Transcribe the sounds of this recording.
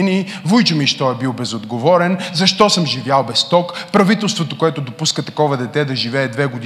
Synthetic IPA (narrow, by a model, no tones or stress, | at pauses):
ni | vujt͡ʃʊmiʃt̪ɔɛbilˠbɛzod̪ɡovɔɾɛnzɐʃt̪ɔsəmʒivjalˠbɛst̪ɔkpɾɐvit̪ɛlˠst̪vot̪okoɛt̪ʊd̪opuskət̪ɐkɔvɐd̪ɛt̪ɛd̪ɐʒivɛːd̪vɛɡod̪